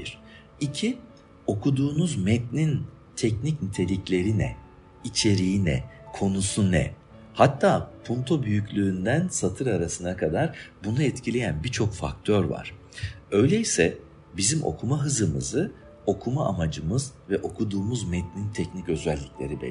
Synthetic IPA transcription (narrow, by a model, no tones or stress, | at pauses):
biɾ̥ | icʰi | o̞kʰud̪uːnuzmɛt̪̚nint̪ʰɛcnicnit̪ʰe̞lʲiclʲe̞ɾinɛ̰ | it͡ʃʰe̞ɾijinɛ̰kʰo̞nusunɛ̰ | hat̪ʰːaːpʰunt̪ʰo̞byjyclʲyːnd̪ænsat̪ʰɯɾaɾasɯnakʰad̪aɾbunuɛt̪cʰilʲe̞jænbit͡ʃʰo̞kfa̰k̚t̪ʰøɾva̰ɾ̥ | ø̞jlʲeisɛ | bizimo̞̰kʰumaɦɯzɯmɯ̰zɯ | o̞kʰumaamad͡ʒɯmɯzvɛʔo̞kʰud̪uːmuzmɛt̪̚nint̪ʰɛcnicø̞zælʲːiclʲe̞ɾibḛ